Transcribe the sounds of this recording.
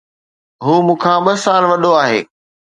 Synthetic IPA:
ɦuːmũːkʰãːɓɐsaːlʋɐɗoaːɦḛː

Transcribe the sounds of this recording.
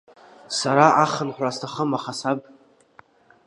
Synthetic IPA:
saɾaʔaχənħʷastʰaχəmaχasab̚

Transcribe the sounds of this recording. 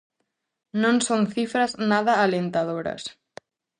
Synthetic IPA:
nõnsonθifɾaznaðɐːlent̪aðoɾɐ̰s

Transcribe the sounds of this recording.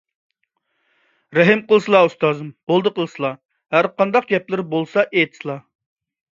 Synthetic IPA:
ɾɛɦɪmqəlˠɨsɨlˠɑust̪ɑzɨmbolˠd̪əqʰəlˠɨsɨlˠɑ | hæɾqɑnd̪ɑqɡʲɛplɪɾbolˠsɑʔet̪ʰslˠɑ

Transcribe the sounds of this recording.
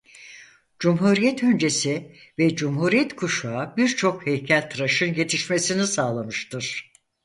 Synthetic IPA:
d͡ʒumɦuːɾijɛt̪ʰø̞nd͡ʒe̞si | vɛd͡ʒumɦuːɾijɛt̪kʰuʃuabiɾt͡ʃʰo̞khejcʰælʲt̪ʰɾaʃɯnje̞t̪ʰiʃme̞sinisaːlˠamɯʃt̪ɯɾ̥

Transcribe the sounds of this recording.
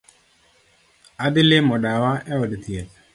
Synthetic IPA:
ad̪ɪlɪmɔdawaʔɛɔdɪt̪jet

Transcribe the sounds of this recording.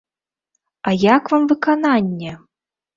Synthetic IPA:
ajakvamvɨkananʲːɛ

